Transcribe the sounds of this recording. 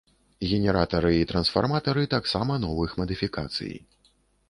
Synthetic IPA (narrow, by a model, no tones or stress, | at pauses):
ɣʲɛnʲɛɾat̪ɐɾɨit̪ɾɐnsfa̰rmat̪ɐɾɨt̪aksamɐnɔvɨxmɐd̪ɨfʲikat̪sɨ̰jḭ